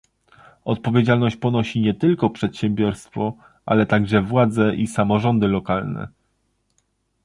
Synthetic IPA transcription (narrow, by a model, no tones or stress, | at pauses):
ɔt̪̚pɔvʲjed͡ʑalnɔɕt͡ɕpɔnɔɕiɲɛt̪ɘlkɔpʂɛt̪ɕɛmbʲjɔɾst̪fɔ | ʔa̰lɛt̪aɡʐɛvwad̪zɛʔisamɔʐɔnd̪ɘlɔkalnɛ̰